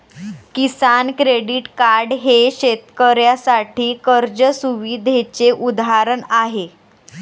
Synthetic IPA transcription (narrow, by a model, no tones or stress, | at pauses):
kisankɾeɽiʈkaɾɖɦeɕet̪kəɾjasaʈʰiːkəɾd͡ʑəsuʋid̪ʱet͡seʔud̪aɾəɳaɦe